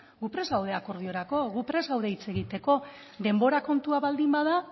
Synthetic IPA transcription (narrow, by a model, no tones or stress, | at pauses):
ɡupɾe̞zɣawð̞e̞ako̞ɾð̞io̞ɾako̞ɣupɾe̞zɣawðeit͡se̞ɣ̞it̪e̞ko̞ | d̪e̞mbo̞ɾako̞nt̪uaβald̪imbaða